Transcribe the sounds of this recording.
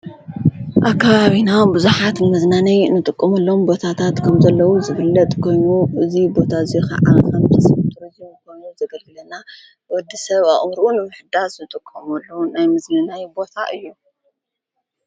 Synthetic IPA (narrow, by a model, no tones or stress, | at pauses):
ʔakːaβaβinawmbɨzuħat̪nɨmɐznanɐjɨnːɨt̪ʼɨkʼːɐmulːo̞mbo̞t̪ʰat̪ʰat̪kʰɐmzɐlːɐwuzɨβɨlːɐt̪ʼkʰo̞jnuɨzibo̞t̪ʰazixɐ̰ʕakɐmt̪ʰɐsmt̪ʰɨɾɨzimkʰo̞jnuzɐɡɐlɡɨlɐna | wɔd̪ːisɐβaʔʼmɾɨʔunɨmɨħd̪aznɨt̪ʼɨkʼːɐmɐlːɐwunajmɨznɨnajbo̞t̪ʰa̰ʔɨjːu